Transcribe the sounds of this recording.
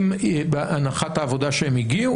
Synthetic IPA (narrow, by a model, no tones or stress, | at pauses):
mbeʔanaχat̪haːvo̞d̪aʃeemiɡiu